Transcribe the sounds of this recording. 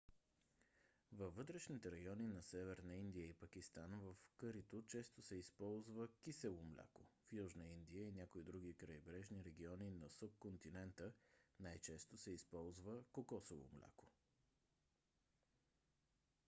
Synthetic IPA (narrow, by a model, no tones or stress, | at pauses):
vɐvːɤt̪ɾɛʃnit̪ɛɾɐjɔninɐsɛvɛɾnəind̪ijəipəkist̪anvəfkɤɾit̪ot͡ʃɛst̪osɛispɔlˠzvəkʲisɛlˠomlʲʔa̰kofjuʒnəind̪ijəinʲakoid̪ɾuɡikɾɐjbɾɛʒniɾɛɡ̟iɔninɐsup̚kont̪inɛnt̪ənajt͡ʃɛst̪osɛispɔlˠzvəkokɔsovo̰mlʲa̰ko̥